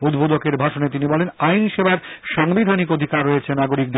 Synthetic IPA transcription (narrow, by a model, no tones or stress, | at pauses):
od̪bʱod̪okeɾbʱaʃonet̪inibɔlenajnʃebaɾʃaŋbid̪ʱanikod̪ʱikaɾːoet͡ɕʰenaɡoɾik̚d̪